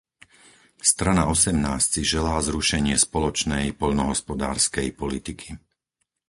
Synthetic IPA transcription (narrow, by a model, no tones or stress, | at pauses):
st̪ɾanaɔsɛmnaːst͡siʒɛlaːzɾuʃɛɲɪɛspɔlɔt͡ʃnɛjpɔʎnɔɦɔspɔd̪aːɾskɛjpɔlit̪ikʰi̥